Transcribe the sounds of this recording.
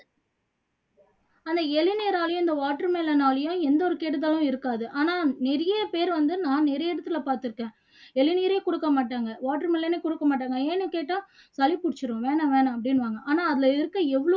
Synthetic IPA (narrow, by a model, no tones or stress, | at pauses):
ɐnd̪ɐɛlɪneːɾaːlɐj̃ɪnd̪ɐʋaːʈːɐɾmeːlɐnaːlɐjʊ̃ɛnd̪ɐɔɾɯkeːʈːɯt̪̬ːaːlʊ̃ɪɾɯkːaːðɯʔaːnaːnɪɾɐjɐpeːɾʋɐnd̪ɯnãːnɪɾɐjɛɽɐt̪ːɯlɐpaːɾt̪ɯɾɯkːẽː | ɛɭɪneːɾeːkʊɽɯkːɐmaːʈːaːŋɡɐʋaːʈːɐɾmeːlɐneːkʊɽɯkːɐmaːʈ̬ːaːŋɡɐeːnːɯkeːʈːaː | sɐlɪpʊɽɪt͡ʃːɯɾʊ̃ʋeːnɐʋeːnɐ̃ɐp̬ːɐɽɪnʋaːŋɡɐʔaːnaːɐðɪlɐɪɾɯkːɯ̃ɛʋːɐɭ